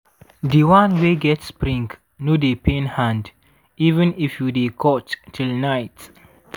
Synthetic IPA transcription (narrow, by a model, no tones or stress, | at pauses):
diwãnweɡɛtspɾĩŋɡ | nodepẽnhãnd | ivə̃nifjudekʰɔttʰilnaɪt